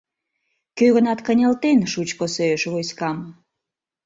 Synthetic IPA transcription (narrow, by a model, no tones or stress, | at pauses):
køɣənɑt̪kə̆nʲəlt̪enʃut͡ɕkosøʃβojskɑm